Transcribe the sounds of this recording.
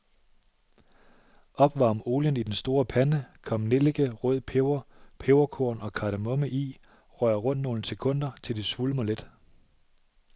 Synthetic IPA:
ɒ̽b̥ʋɑ̰̈ːmo̝ːljənid̥ensd̥o̝ːɐpʰænəkʰɒ̽mne̝lɡ̥əʁɔð̰ˠpʰeʊɐpʰeʊɐkʰo̝ɐ̰nɒ̽kʰɑ̈ɾ̥æmɔ̽məʔḭ | ʁɶɐʁɔ̽n̰d̥no̝ːləse̝kʰɔ̽n̰d̥ɐt͡sʰe̝ld̥e̝sʋuləmoled̥

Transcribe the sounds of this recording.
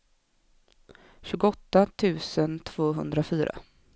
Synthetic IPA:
ɕʉ̟ːɡɔt̪ːat̪ʰʉ̟ːsənt̪ʰv̥oːɦɵ̰nd̪ɾafyːɾa̰

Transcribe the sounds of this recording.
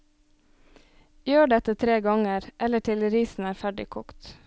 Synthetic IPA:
jøːɖɛt̪ət̪ʰɾeːɡɑŋəɾʔɛləʈʰɪlɾiːsn̩æːɾfæɖɪ̰kʰɔkt̪

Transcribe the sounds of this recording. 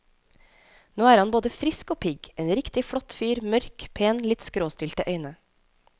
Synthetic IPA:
noːæːɾhɑnboːd̪əfɾɪskoːpʰɪɡʔeːnɾɪkt̪ɪfɽɔt̪fyːɾmœɾkpʰeːnlɪt̪skɾoːst̪ɪlt̪əʔœʏnə

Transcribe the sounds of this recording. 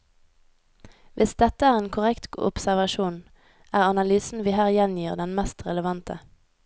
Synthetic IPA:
ʋɪsd̪ɛt̪əæːʁeːnkʰʊʁɛkt̪ʊ̰psæʁʋɑʃuːn | æːʁɑnɑlyːsn̩ʋiːhæːʁjɛnjiːʁd̪ɛnmɛst̪ʁɛləʋɑnt̪ə

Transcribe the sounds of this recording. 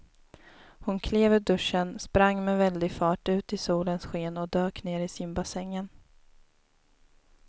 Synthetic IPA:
hʊnkʰleːvəɖɵʂːənspɾaŋːmɛvɛld̪ɪɡfɑːʈʉ̟ːt̪ɪsuːlənsɧeːnɔd̪øːkneːɾɪsɪmbasɛŋːən

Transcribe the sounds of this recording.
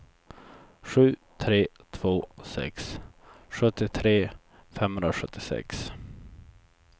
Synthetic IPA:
ɧʉ̟ːt̪ʰɾeːt̪ʰv̥oːsɛ̰ksɧɵt̪ːɪt̪ʰɾeː | fɛmhɵnɾaɧɵt̪ːɪsɛ̰ks

